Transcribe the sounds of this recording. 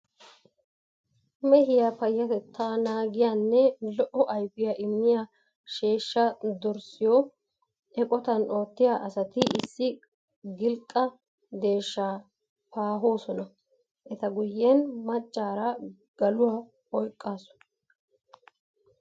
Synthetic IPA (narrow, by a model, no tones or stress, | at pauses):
mɛhɪjapɐjːɐt̪ɛt̪ːaːnaːɡɪjanːɛlɔʔɔʔɐjbɪjɐʔɪmːɪja | ʃeːʃːɐd̪ɔɾsɪjɔ | ɛkʼɔt̪ɐno̞ːt̪ːɪjaːʔɐsɐt̪ɪʔɪsːɪ | ɡɪlkʼːɐ | d̪e̞ːʃːaː | paːɦo̞ːsɔnɐ | ʔɛt̪ɐɡʊjːɛnmɐt͡ʃʼːaːɾɐ | ɡ̥ɐlʊwaː | ɔjkʼːaːsɔ̥